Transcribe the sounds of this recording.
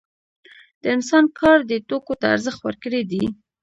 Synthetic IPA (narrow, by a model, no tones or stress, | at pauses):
d̪̥əɪnsɑnkʰɑɾd̪ət̪okot̪aa̰ɾzəxt̪wə̰ɾkəɽed̪i